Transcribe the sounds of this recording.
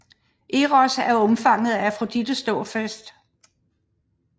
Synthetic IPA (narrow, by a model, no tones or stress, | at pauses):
ʔe̝ʁɒsæɐɔ̽mfɑ̈ŋ̰ð̩ˠææfʁod̥id̥əsd̥ɔ̰ːfæsd̥